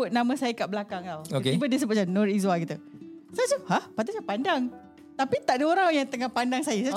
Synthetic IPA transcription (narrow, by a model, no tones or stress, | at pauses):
ʊt̪̚namə̃sajəkaʔbəlakaŋlawokeibədəs̬əbut̪̚sanɔɾizwakit̪usasuhahpat̪usapandaŋ | t̪apit̪aʔdəoɾajaŋt̪əŋahpandaŋsajəs